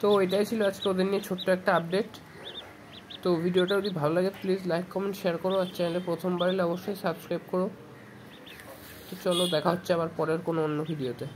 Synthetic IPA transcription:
t̪oejʈajt͡ɕʰiload͡ʑkeod̪eɾniet͡ɕʰoʈːoɛk̚ʈaab̚ɖeʈ | t̪obʱiɖioʈaud̪ibʱalolaɡeplid͡ʑlajkːɔmeɳʈʃeaɾkoɾoat͡ɕanelepɾot̪ʰombaɾeleɔboʃːojsabskɾajbkoɾo | t̪ot͡ɕɔlod̪ɛkʰaɦotːɕʰeabaɾpɔɾeɾkonoonːobʱiɖiot̪e

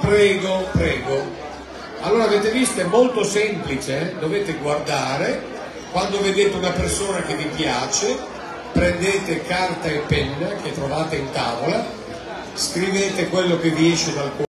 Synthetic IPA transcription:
pɾɛːɡopɾɛːɡo | alːoːɾaveːt̪evist̪oɛmːolt̪osɛmplit͡ʃed̪oveːt̪eɡward̪aːɾe | kwand̪oved̪eːt̪eunapersoːnakevipjaːt͡ʃe | pɾend̪eːt̪ekart̪aepːɛnːak̟et̪ːɾovaːt̪eint̪aːvola | skɾiveːt̪ekwelːok̟eviɛʃːenalk

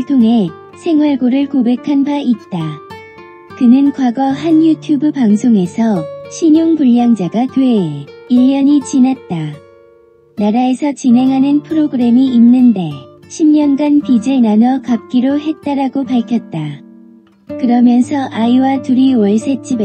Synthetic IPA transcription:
ɭtʰoŋɦe̞ | sʰe̞ŋwaɭɡoɾɯɭkobe̞kʰanbaʔit̚t͈a | kɯnɯnkwaɡʌɦanjutʰjubɯpaŋsʰoŋe̞sʰʌɕʰiɲoŋpuʎːjaŋd͡ʑaɡatweiʎːʌɲit͡ɕinat̚t͈a | naɾaesʰʌt͡ɕinɦe̞ŋɦanɯnpʰɯɾoɡɯɾe̞miːnːɯnde̞ɕʰimɲʌnɡanpid͡ʑe̞nanʌkap̚k͈iɾoɦe̞t̚t͈aɾaɡopaɭkʰjʌt̚t͈a | kɯɾʌmjʌnsʰʌʔaiwatuɾiwʌɭsʰe̞t͡ɕ͈ibe

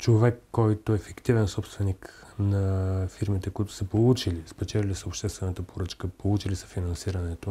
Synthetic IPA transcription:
t͡ʃovɛkːɔjt̪oɛfɛkt̪ivɛnsɔpst̪vɛniknɐfiɾmit̪ɛkoit̪ʊ̥səpolˠut͡ʃilispɛt͡ʃɛlʲlisəopʃt̪ɛst̪vɛnət̪əpoɾət͡ʃkəpolˠut͡ʃilisə̥finɐnsiɾənɛt̪o

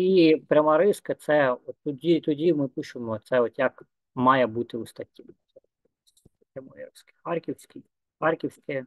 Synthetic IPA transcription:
ipɾʲɐmɑɾɪskɐt̪sɛɔt̪ːɔdʲit̪ɔdʲimɪpɪʃɪmɔt̪sɛɔt̪jɐk | mɑjɛbut̪ɪust̪ɐtʲːi | ɛ | pɾʲɐmɔjḭɾɪskɪ̥xɑrkʲiwsʲki | xɑrkʲiwsʲkɪ

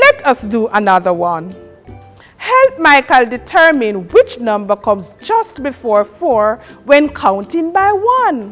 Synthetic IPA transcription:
lɛtʰʌsduʔənʌðə˞wʌ̃n | hɛlp̚maɪkəldɪtʰɜ˞mɪ̃nwɪt͡ʃnʌ̃mbə˞kʰʌ̃mzd͡ʒʌstbɪfɔɹfɔɹwɛ̃nkʰãʊ̃ntɪ̃ŋbaɪwʌ̃n

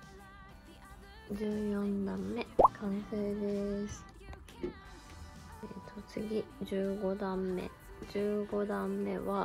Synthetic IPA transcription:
d͡ʑɨːjõ̞nd̪ãmːe̞kʰãɰ̃seːd̪esɨ̥ | et̪ʰo̞t͡sɨɡʲid͡ʑɨːɡo̞d̪ãmːe̞̰ | d͡ʑɨːɡo̞d̪ãmːe̞βa

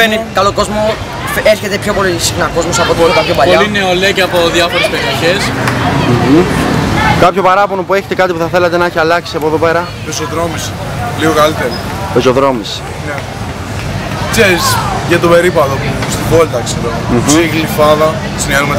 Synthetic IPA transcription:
enikɐlo̞ko̞zmo̞ | eɾçe̞t̪epço̞po̞lisixnɐko̞zmosɐpot̪iolt̪ɐpjopɐpolineolecɐpo̞ðjɐfo̞ɾespeɾioçesm̩ɣ̩ | kɐpço̞pɐɾɐpo̞nopue̞çet̪ekɐt̪ipu̥θɐθe̞lɐt̪enɐeçiɐlɐksiɐpoeðope̞ɾɐ | pesoðɾo̞mis | liɣokalit̪eɾi | peso̞ðɾo̞mis | ne | kseɾisʝɐt̪obe̞ɾipɐðopst̪ibolt̪ɐkseɾom̩siɣlifɐðɐ | siniɐnumet̪

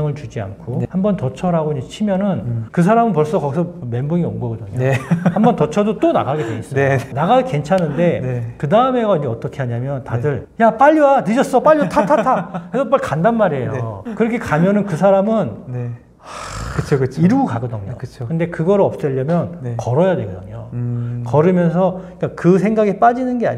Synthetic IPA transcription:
ŋɯɭt͡ɕud͡ʑia̰nkʰohambʌntʌt͡ɕʰʌɾaɡoiɲd͡ʑet͡ɕʰimjʌnɯnkɯs̬ʰaɾamɯnp̬ʌɭs͈ʌkʌɡisʰʌme̞mbɯŋio̰mɡʌɡʌdɯɲohambʌntʌt͡ɕʰʌdot͈ona̰ɡaɡedweʌs͈ʌnaɡaɡike̞nt͡ɕʰanɯnde̞kɯdaɯme̞ɡaiɲd͡ʑeʌt͈ʌkʰeaɲamjʌntadɯɭjap͈aʎːuanɯd͡ʑʌs͈ʌp͈aʎːʌtʰatʰatʰakʰesʰʌp͈aɭkandanmaɾiejokɯɾʌkʰe̞kamjʌnɯnkɯs̬ʰaɾamɯne | akɯt͡ɕʰokɯt͡ɕʰiɾuɡokaɡʌdʌɲo̰kɯt͡ɕʰokɯnde̞kɯɡʌɾɯɭʌp̚t͡ɕ͈ʌʎːʌmjʌnkʌɾʌjadwe̞ɡʌdʌ̰ɲo̰kʌɾɯmjʌnsʰʌik͈akɯsʰe̞ŋɡaɡep͈ad͡ʑinɯnɡea̰ɲ

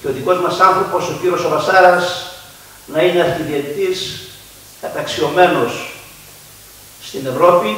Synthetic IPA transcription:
ceo̞ðiko̞zmɐsɐnθɾopo̞so̞ciɾio̞sovɐsɐɾɐs | nɐineɐɾçiðiɐt̪it̪is | kɐt̪ɐksio̞me̞no̞s | t̪ine̞vɾo̞pi

